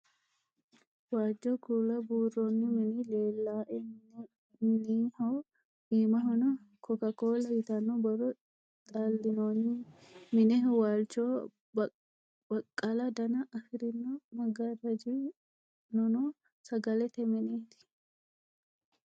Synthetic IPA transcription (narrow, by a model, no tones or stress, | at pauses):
waːd͡ʒːokuːlɐbuːronːɪmɛnileːlːaːʔɛ | niːhoː | ʔiːmɐɦɔnɔ | kɔkɐkoːlɐjɪt̪ɐnːɔbɐrɔ | t̪ʼalːɪjoːnːɪmɪnɛwaːlt͡ʃoː | bɐkʼːɐlɐd̪ɐnɐʔɐfɪɾɪnːɔmɐɡɐrɐd͡ʒi | nɔno | sɐɡɐlɛt̪ɛmɛneːt̪ɪ̥